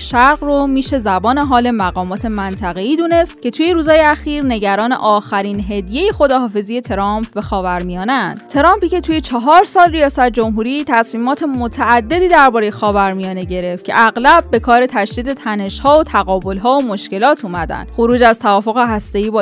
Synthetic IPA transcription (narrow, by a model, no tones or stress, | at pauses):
ʃæɾɣromiːʃe̞zæbɒːne̞ɦɒːle̞mæɣɒːmɒːt̪ʰe̞mænt̪ʰæɣe̞iːd̪uːne̞st̪cʲʰe̞t̪ʰuːjeɾuːzhɒːjeæxiːɾne̞ɟæɾɒːne̞̰ʔɒːxæɾiːnɦe̞d̪je̞jexo̞d̪ɒːɦɒːfe̞zije̞t̪ʰe̞ɾɒːmp̚ʰbe̞xɒːvæɾmijɒːnænd̪t̪ʰeɾɒːmpiːce̞t̪ʰuːje̞t͡ʃʰɒɦɒːɾsɒːlrijɒːsæt̪̚d͡ʒo̞mɦuːɾiːt̪ʰæsmiːmɒːt̪ʰe̞mot̪ʰæːd̪ːe̞d̪iːd̪æɾbɒːɾejexɒːvæɾmijɒːne̞ɟe̞ɾe̞ft̪cʰe̞̰ʔæɣlæb̚ːe̞kʰɒːɾe̞t̪ʰæʃd̪iːd̪e̞t̪ʰæne̞ʃhɒːot̪ʰæɣɒːbo̞lɦɒːomo̞ʃce̞lɒːt̪ʰuːmæd̪æ̰nd̪xoɾuːd͡ʒæzt̪ʰævɒːfo̞ɣeɦæst̪e̞iːbɒː